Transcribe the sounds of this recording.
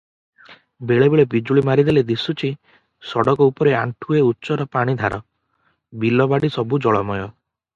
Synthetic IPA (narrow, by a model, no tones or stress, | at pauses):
beɭebeɭebid͡ʒuɭimaɾid̪iled̪isut͡ʃʰi | sɔɽɔkɔupɔɾeaɳʈʰueutːʃɔɾɔpaɽ̃id̪ʱaɾɔ | bilɔbaɽisɔbud͡ʒɔɭɔmɔjɔ